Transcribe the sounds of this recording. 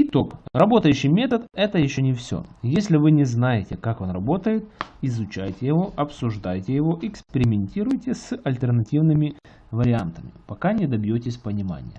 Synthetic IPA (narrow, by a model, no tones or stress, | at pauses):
ɪt̪o̞krɐbo̞t̪əjʉɕːɪjmʲe̞t̪ət̪ɛt̪əjɪɕːonʲɪfsʲo̰jesʲlʲɪvɨnʲɪznajɪtʲɪkako̞nrɐbo̞t̪əjɪt̪ɪzʊt͡ɕæjtʲɪjɪvo̞ʔɐpsʊʐd̪ajtʲɪjɪvo̞ʔɪkspʲɪɾʲɪmʲɪnʲtʲiɾʊjtʲɪsɐlʲt̪ʲərnɐtʲivnɨmʲɪ | vəɾʲɪant̪əmʲɪ̰pɐkanʲɪd̪ɐbʲjotʲɪsʲpənʲɪma̰nʲɪ̰jə̰